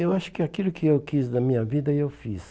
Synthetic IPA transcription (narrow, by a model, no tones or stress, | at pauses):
ewaʃʊ̥kɪakilʊkʰɪewkiznɐmĩɲɐvid̪ɐewfis